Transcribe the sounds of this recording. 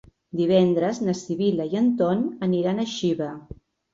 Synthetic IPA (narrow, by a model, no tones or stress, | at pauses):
d̪iβɛnd̪ɾəznəsiβiləiənt̪onəniɾanəʃiβə